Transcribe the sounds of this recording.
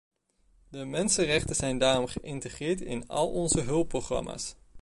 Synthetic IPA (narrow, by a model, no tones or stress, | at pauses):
dəmɛnsənrɛχtənz̥ɛjndaːrɔmχəʔɪntəχɪːɹtɪ̰nɑ̰lˠɔnzəɦɵlˠproχrɑ̰ma̰ːs